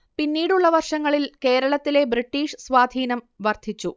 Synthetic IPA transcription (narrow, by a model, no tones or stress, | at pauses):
pinːiːɽuɭːɐʋɐrʂɐŋːɐɭilke̞ːɾɐɭɐt̪ːile̞briʈːiːʂɨsʋaːd̪ʱiːnɐm | ʋɐrd̪ʱit͡ɕːu